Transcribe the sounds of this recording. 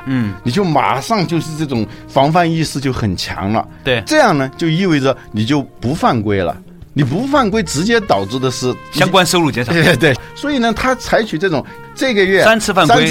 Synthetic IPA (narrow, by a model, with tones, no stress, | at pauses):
n̩˥˩ni˨˩t͡ɕjo˥˩ʊma̰˨˩ʂɑ˥˧ŋt͡ɕjo˥˧ʊʂɻ̩˥˧ʈ͡ʂɤ˥˩ʈ͡ʂʊ˨˩ŋfɑ˧˥ŋfa˥˧ni˥˧sɹ̩˥˧t͡ɕjo˥˩ʊxə˨˩nt͡ɕʰjɑ̰˧˥ŋlə̰˧ | t̪ʈ͡ʂɤ˥˧jɑ˥˩ŋnə˩t͡ɕjo˥˧ʊi˥˧we˥˩ɪʈ͡ʂə˩ni˨˩t͡ɕjo˥˩ʊpu˧˥fa˥˩nkwe˥ɪlə̰˨ | ni˨˩p̬u˧˥fa˥˩nkwe˥ɪʈ͡ʂɻ̩˧˥t͡ɕjɛ˥t̪ɑ˨˩ʊʈ͡ʂɻ̩˥˩d̪ə˩ʂɻ̩˥˩ɕjɑ˥ŋkwa˥nʂo˥ʊlu˥˩t͡ɕjɛ˥nʂt̪we˥˩ɪswɔ˧˥i˨˩nə˦t̪ʰa˥t͡sʰa˧˥ɪt͡ɕʰy˨˩ʈ͡ʂɤ˥˩ʈ͡ʂʊ˨˩ŋ | ʈ͡ʂɤ˥˩ɡə˧ɥɛ˥˩sa˥nt͡sʰɹ̩˥˧fa˥˩ŋswe˥ɪ